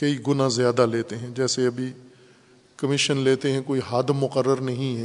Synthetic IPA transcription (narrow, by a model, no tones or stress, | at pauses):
kɐiɡʊnazjaːd̪aleːt̪eɦɛ̃d͡ʒɛːseɐbʱi | kɐmɪʃənleːt̪eɦɛ̃koːiɦaːd̪mːʊqəɾːəɾnɐɦĩɦɛ